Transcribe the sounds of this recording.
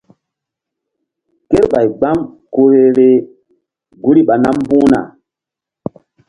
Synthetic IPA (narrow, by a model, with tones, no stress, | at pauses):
ke˦ɾɓa˨jɡ͡ba˦m | ko˨he˦ɾe˦ | ɡu˦ɾi˦ɓa˨na˦m˦bũ˦na̰˨